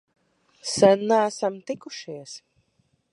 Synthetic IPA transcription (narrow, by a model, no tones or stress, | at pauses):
sænːaæsamt̪ikuʃiɛs